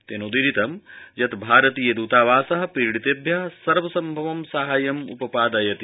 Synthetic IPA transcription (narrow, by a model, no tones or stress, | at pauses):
t̪eːnod̪iɾit̪ɐmjɐt̪bʱaːɾɐt̪iːjɐd̪uːt̪aːʋaːsɐɦɐ̆piɾɽit̪eːbʱjɐsɐɾʋɐsɐmbʱɐʋɐmsɐɦaːjɐmṵpɐpaːd̪ɐjɐt̪i